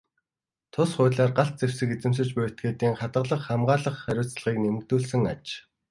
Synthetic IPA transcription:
t̪ʰʊsχʊːɮaːrɢaɬt̪̚t͡sew̥sɘ̆ket͡sɘ̆ms̬ɘ̆t͡ɕpʊːjʰt̪̚ɡeːt̪iːŋχat̪ə̆ɮə̆χːamɢaːɮə̆χːæɾʲʊːt͡sɮ̆ʁiːknemɘ̆k̚t̪uːɮsɘ̆ŋat͡ɕ

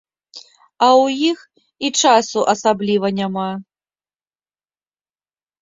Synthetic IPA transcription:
ɐwjix | it͡ʂasuʔɐsablʲivɐnʲama

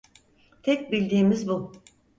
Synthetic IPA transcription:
t̪ʰɛc̚bilʲd̪iːmizbu

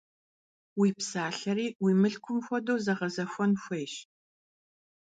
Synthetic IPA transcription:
wiːpsaːɬɐɾiːwiːmɨɬkʷʰʊmxʷɔdowzɐʁɐzɐxʷɔnxʷejɕ

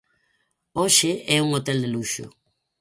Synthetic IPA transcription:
oʃɪɛuŋot̪ɛld̪eluʃʊ̰

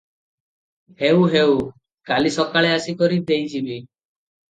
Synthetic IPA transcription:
heuɦew | kalisɔkaɭeasikɔɾid̪ejd͡ʒibi

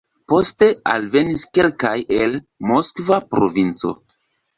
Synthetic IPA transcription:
po̞ste̞a̰lve̞niske̞lkajel | mo̞skvapɾo̰vint͡so̞̰

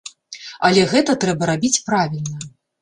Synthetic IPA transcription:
ɐlʲɛɣɛt̪ɐt̪ɾɛbɐɾabʲit͡sʲpɾavʲilʲnɐ

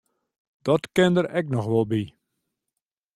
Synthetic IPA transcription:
d̥ɔtkɪndəɾɛknɔxʋɔlˠbi

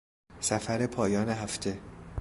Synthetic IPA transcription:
sæfæɾepʰɒːjɒːneɦæft̪ʰe̞

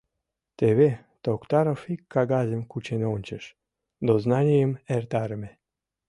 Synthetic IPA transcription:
t̪eβe | t̪okt̪ɑɾofikːɑɣɑzʲemkut͡ɕenonʲt͡ɕəʃ | d̪oznɑnʲijəmert̪ɑɾəme

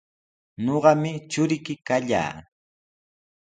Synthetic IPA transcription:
noɢɑmɪt͡ʃʊɾɪkɪkaʎa̰ː

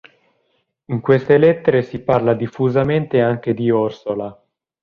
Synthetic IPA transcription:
iŋkwest̪elet̪ːeɾesiparlad̪ifːuzament̪eaŋk̟ed̪iɔrsola

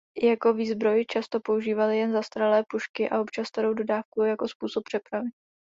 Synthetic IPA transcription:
jako̞viːzbɾo̞jɪt͡ʃast̪o̞po̞uʒiːvalɪjɛnzast̪ɾalɛːpuʃkɪʔa̰opt͡ʃast̪aɾo̞wdo̞daːfkujɛjako̞spuːsop̚pːr̝̥ɛpɾavɪ

